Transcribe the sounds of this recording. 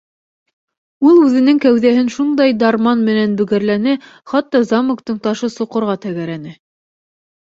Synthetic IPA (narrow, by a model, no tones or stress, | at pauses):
ulˠʉðɘ̆nɘŋkæwðæɦɘnʃund̪ɑjd̪ɑɾmɑnmɘ̆nænbɵ̆ɡæɾlænɘχɑt̪ːɑzɑmŏkt̪ɤɴt̪ɑʃɤsŏqɤ̆ɾʁɑt̪æɡæɾænɘ